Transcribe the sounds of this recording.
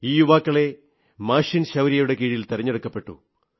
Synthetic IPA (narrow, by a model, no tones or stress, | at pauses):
iːjuʋaːkːɐɭe̞ | maːʂinɕɐwɾijɐjuɽe̞kiːɻiilt̪eɾɐɲːɐɽɐkːɐpːe̞ʈːṵ